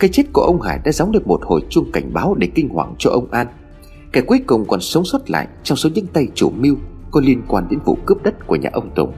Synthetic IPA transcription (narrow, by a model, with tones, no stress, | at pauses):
kaː˨˦jt͡ɕe˦˥t̚ku˧˩əʔə˧wŋ͡mha̰ː˧˩jɗa̰ː˧˥za˨˦wŋ͡mɗɨ˨˩ək̚mo˨˩t̚ho̰˧˨jt͡ɕʊ˧ŋ͡mka˧˩jŋ̟ɓaː˨˦wɗe˧˩kï˧ŋ̟hwaː˧˩ŋt͡ɕɔ˧ʔə˧wŋ͡mʔaː˧n | kaː˧˩kwi˨˦əkʊ˨˩wŋ͡mkɔ˨˩nsə˨˦wŋ͡mswə˦˥t̚la̰ː˧˨jʔt͡ɕɔ˧wŋ͡mso˨˦ɲɨ̰˧˥ŋt̪a˧jt͡ɕu˧˩mi˧əwkɔ˨˦li˧ənkwaː˧nɗe˨˦nvṵ˧˨kɨ˦˥p̚ɗə˦˥t̚ku˧˩əɲa̰ː˨˩ʔə˧wŋ͡mt̪ʊ̰˨˩ŋ͡m